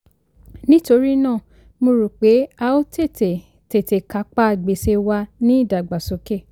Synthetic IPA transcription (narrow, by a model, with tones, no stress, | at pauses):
nĩ˦to˧ɾi˦nãː˦˨ | mo˧ɾu˨k͡pe˨˦a˧o˦te˦˨te˨ | te˨te˨ka˨˧˦k͡pa˦˨ɡ͡be˨se˧wa˧nĩ˦i˦˨da˨ɡ͡ba˨so˨˦ke˦˨